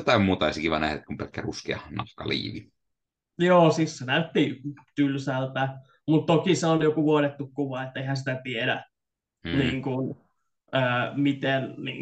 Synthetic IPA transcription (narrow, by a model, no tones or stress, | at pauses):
jot̪ɑimmuːt̪ɑɑˑisikiʋɑnæ̰het̪kumpelkːæruskeɑnɑhkːɑ̰lḭːʋi | joːsissenæyt̪ːit̪ylsælt̪æ | mut̪t̪okiseonjokuʋuonet̪ːukkuʋɑet̪ːeihænsi̥t̪æt̪iedæ | niːŋkun | əːmit̪ennḭː